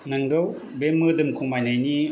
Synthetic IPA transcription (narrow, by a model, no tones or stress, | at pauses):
naŋɡɯw | bemɯdɯmkʰuŋmajnajni